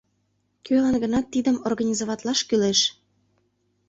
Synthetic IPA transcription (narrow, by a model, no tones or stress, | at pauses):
kølɑnɡə̆nɑt̪ːid̪əmorɣɑnʲizoβɑt̪lɑʃkyleʃ